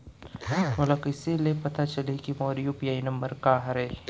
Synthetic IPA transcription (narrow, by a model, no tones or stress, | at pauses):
molakɪsilepɐt̪at͡ʃɐlikimɔːɾijopijaːinɐ̃mbəɾkaːɦɐɾeː